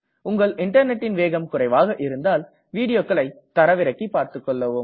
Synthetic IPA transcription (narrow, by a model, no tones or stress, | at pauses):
ʊŋɡɐɭʔɪɳʈɐɾnɛʈːɪnʋeːɣɐmkʊɾɐɪʋaːɣɐʔɪɾɯnd̪aːl | ʋiːɽɪjoːkːɐɭɐɪt̪ːɐɾɐʋɪɾɐkːipːaːɾt̪ɯkːɔɭːɐʋɯm